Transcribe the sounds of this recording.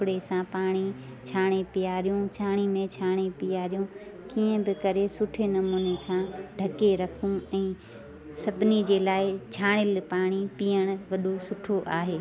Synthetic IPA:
ɽesãpaːɽ̃i | t͡ɕʰaːɽ̃epijaːɾijũt͡ɕʰaːɽ̃imẽt͡ɕʰaːɽ̃epijaːɾijũkiːə̃bɪkɐɾesʊʈʰenɐmuːnekʰãːɖʱɐkeɾɐkʰũɛ̃ː | sɐbʱɪnid͡ʑeːlaːɪt͡ɕʰaːɽ̃ɪlpaːɽ̃ipiːjəɽ̃ʊʋɐɗosʊʈʰoʔaːɦeː

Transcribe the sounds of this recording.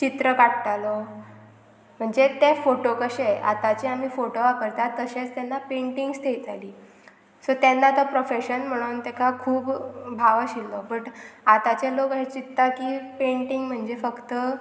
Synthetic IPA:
t͡ɕit̪ɾəkaʈʈalo | m̤əɳd͡zet̪efoʈokəɕea̰t̪at͡ɕeam̤ifoʈoʋapəɾt̪at̪əɕet͡st̪enːapeɳʈiŋɡst̪ʰejt̪aliː | sot̪enːat̪əpɾofeɕənm̤əɽ̃unt̪ekakʰuːbbʱaʋaɕilːɔpəʈat̪at͡ɕelokɦet͡ɕit̪ːakiːpeɳʈiŋɡm̤əɳd͡zefəkt̪ə

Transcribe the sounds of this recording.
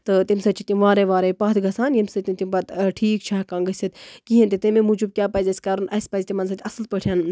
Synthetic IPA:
t̪ɨt̪imsɐt͡ʃʰit̪ʲimʋaːɾeʋaːɾeːpaːt̪ʰɡɐsaːnjɐmsɐt̪ʲimt̪ʲimbɐt̪ʈʰiːkt͡ʃʰaːkãːŋɡəsʲɐt̪kiɦɐnt̪it̪imemud͡ʒub̚kʲjaːpɐːzʲɐsʲkaːɾunʔɐsʲpɐzʲt̪imɐns̬ɐt̪ʰʲɐslpɐʈʰʲjaːn

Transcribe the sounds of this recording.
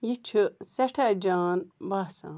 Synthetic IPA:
jit͡ʃʰuseʈʰad͡ʒaːnbaːsã̰ː

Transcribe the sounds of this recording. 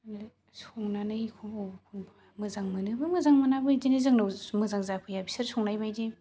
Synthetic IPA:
soŋnanɯikʰɔokʰoŋb | mɯzaŋmɯnɯbɯmɯzaŋmɯnabɯd͡ʒenezɯŋnawmɯzaŋzapʰɯjabi̥sɯɾsʰɔŋnajbajze

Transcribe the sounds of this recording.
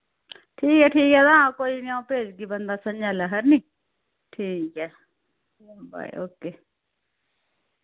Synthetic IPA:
ʈʰiːkɛːʈʰiːkɛːt̪aãːkoːiːnɪãpeːd͡ʒɡiːbənd̪aːsəɲd͡ʒaːlaɦəɾniː | ʈʰiːkɛː | ba̰ːḭoːkeː

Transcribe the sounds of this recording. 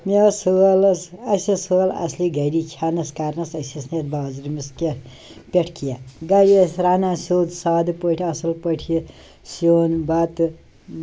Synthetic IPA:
mesolsɐsesolɐ̰sliɡɐɾikʲʰanɐskaɾnɐsɐsisnet̪baɐzɾimiske | pʲeʈʰkʰijaɡaɾiɐsʲɾaːnasʲoːd̪saːd̪pəʈʰiɐsɐlpəʈʰji | soːnbat̪

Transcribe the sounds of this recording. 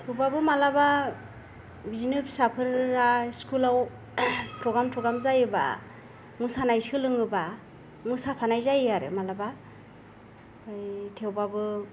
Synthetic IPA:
tʰewbabɯmalaba | bizinɯpsapʰɯɾːaskʰulaw | pʰɾɔɡɾamtʰɔɡamzajɯba̰ | mɯsanajskʰɯlɯŋɯba | mɯsapʰanajzajaɾɯ̰malaba | ɯjtʰewbabɯ

